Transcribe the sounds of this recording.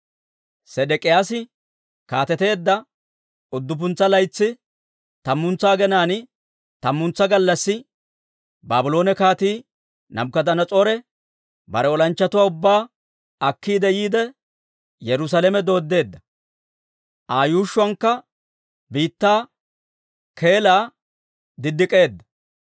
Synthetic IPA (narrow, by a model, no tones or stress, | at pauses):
sɛdɛkʼɪjaːsɪ | kaːt̪ɛt̪e̞ːd̪ːɐ | ʊd̪ːʊp̬ʊnt͡sːɐlɐjt͡sːɪ | t̪ɐmːʊnt͡sːaːɡɛnaːn | t̪ɐmːʊnt͡sːɐɡɐlːɐsːɪ | baːbʊlo̞ːnɛkaːt̪iː | nɐ̰mkɐd̪ɐnɐt͡sʼo̞ːɾɛ | bɐɾɛɔlɐnt͡ʃːɐt̪ʊwaːʊbːaː | ɐkːiːd̪ɛjiːd̪ɛ | jɛɾʊs̬aːlɛmɛd̪o̞ːd̪ːe̞ːd̪ːɐ | ʔaːjuːʃːʊɐŋkːɐ | biːt̪ːaː | kʰe̞ːlaː | d̪ɪd̪ːɪkʼe̞ːd̪ːɐ̥